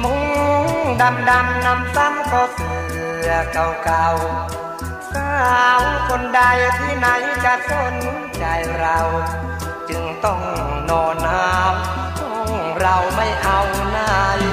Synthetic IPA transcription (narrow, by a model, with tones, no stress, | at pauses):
mɔ˨˧˦ŋ˧˦ | ɗa˧mɗa˧mna˧msaː˧˥mkɔ˧˩sɨ˨˩lɨ˧˩əka˨˧˩wka˧w | saː˧wko˧˩nɗaː˧jt̪ʰi˧˥˦na˧˦jkaː˧so˧˩n˦ | t͡ɕaː˨˧˩jza˧˩w | t͡ɕɨ˨˧˩ŋt̪ɔ˧˩ŋ | nɔ˨˧˩na˧m˧ | ŋza˧wma˧˩jʔa˧wna˧˩j